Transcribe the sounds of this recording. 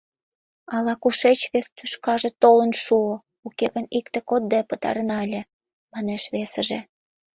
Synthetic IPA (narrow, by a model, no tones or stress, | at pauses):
ɑlɑkuʃet͡ɕβest̪yʃkɑʒĕt̪olə̆nʃuo | ukeɣənik̚t̪ekod̪̚d̪epət̪ɑ̰ɾə̆nɑelʲĕ | mɑneʃβesə̆ʒĕ